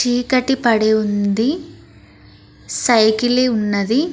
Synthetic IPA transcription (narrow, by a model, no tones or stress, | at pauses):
t͡ʃiːkɐʈːipɐɽeund̪i | sɐjkileunːɐd̪i